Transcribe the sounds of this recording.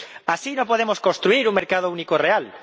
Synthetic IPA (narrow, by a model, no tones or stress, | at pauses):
asinõpoðemoskonst̪ɾuiɾuŋmeɾkað̞ounikoreal